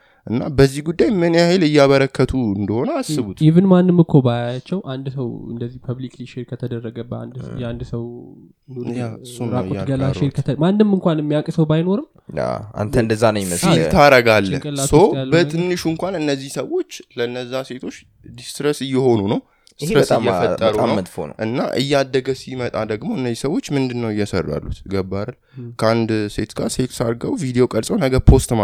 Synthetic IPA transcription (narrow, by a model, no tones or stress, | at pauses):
ʔɨnːa̰bəzːihɡud̪ːajmːɨnjajelɨjːaβəɾəkʰːət̪ʰuɨnd̪əho̞nəasːɨβut̪ivɨnmanːɨmːɨkʰːo̞bajat͡ʃːɛwʔand̪səwɨ̰nd̪əzːihpʰəβlikliʃeɾkʰət̪ʰəd̪ərːəɡəbːəa̰nd̪jɛand̪səw | aɨsːuɾakʼoɡəlaʃeɾkʰəəmanːɨmːɨŋkʷanɨmːijakʼsəwbajno̞ɾɨm | a̰a̰nt̪ʰənd̪əzːanəjməsilt̪ʰaɾəɡalːə̰kʼəlassəwbət̪ʰɨnːɨʃuŋkʷanɨnːəzːihsəwo̞t͡ʃːləɨnːəzːase̞t̪ʰo̞t͡ʃː | d̪ist̪ɾəsɨjːɛho̞nunəw | st̪ɾəɨjːɛfəːəɾunəwət̪ʼfo̰n̰ʔɨnːa̰ʔɨ̰jːad̪ːəɡəsimət̪ʼad̪əɡmo̞ɨnːəzːisəwo̞t͡ʃːmɨnd̪ɨnːəwɨjːɛsə̰rːa̰lːut̪ɡəbːaɾal | kʰəand̪se̞t̪ɡase̞t̪saɾɡəwvid̪ejo̞kʼəlsʼəwnəɡəɾpʰo̞st̪ma